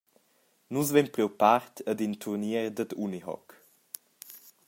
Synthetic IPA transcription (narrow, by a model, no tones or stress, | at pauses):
nuzvɛmpɾiwpaɾt̪ʰəd̪int̪ʰuɾniɛɾd̪əd̪uniɦɔ̰k